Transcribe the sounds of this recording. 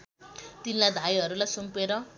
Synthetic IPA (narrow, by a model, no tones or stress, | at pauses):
t̪inlad̪ʱajɦʌɾulajsumpeɾʌ